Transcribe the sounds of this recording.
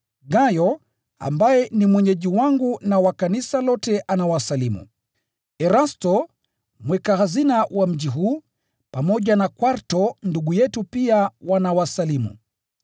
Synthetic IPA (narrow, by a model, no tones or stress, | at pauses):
ɡajɔ | a̰mbajɛnimwɛɲɛʄiwaŋɡunawakanisalɔtɛʔanawasalimṵ | ɛɾastɔ | mwɛkahazinawʔam̩ʄiɦuː | pamɔʄanakwaɾtɔnduɡujɛtupiawanawasalimṵ